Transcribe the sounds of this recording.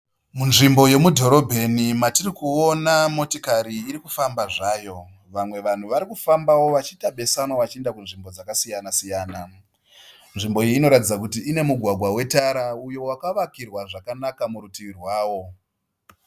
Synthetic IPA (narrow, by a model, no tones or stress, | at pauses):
munʐimbo̞je̞mudʱo̞ɾo̞bʱe̞nimatirikuo̞namo̞tikaɾiːɾikufambaʐaːjo̞ | ʋamwe̞ʋan̤uʋaɾikufambawo̞ʋat͡ʃitaɓe̞sanwoʋat͡ʃiendakunʐimbo̞d͡zakasijanasijaːna | nʐimbo̞iiːno̞ɾatid͡zakutiːne̞muɡʱwaɡʱwawe̞taɾaujo̞wakaʋakirwaʐakanakamuɾutiʋirwaːwo̞